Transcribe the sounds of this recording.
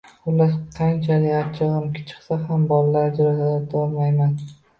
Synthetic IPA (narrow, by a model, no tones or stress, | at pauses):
ʊlaɾqʰɑnt͡ʃʰalɪat͡ʃʰɨʁɨmkʰʲɪ̥t͡ʃʰɨ̥χsaɦambɒllaɾd͡ʒɾasad̪at̪ʰɒlmajman